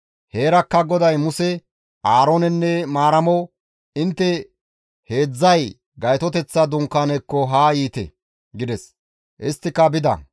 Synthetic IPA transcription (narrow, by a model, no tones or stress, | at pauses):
he̞ːɾɐkːɐɡɔd̪ɐjmʊsɛ | ʔaːɾoːnɛnːɛmaːɾɐmɔ | ɪnt̪ːɛ | he̞ːd͡zːɐj | ɡɐjt̪ɔt̪ɛt͡sːɐd̪ʊŋkːanɛkːɔɦaːjiːt̪ɛ̰ | ɡɪd̪ɛs | ʔɪst̪ːɪkːɐbɪd̪ɐ̰